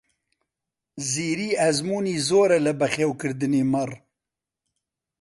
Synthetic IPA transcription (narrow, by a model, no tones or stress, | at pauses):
ziːɾiːɛzmuːniːzoːɾɛlɨbɛχeːwkɨɾd̪ɨneːmɨr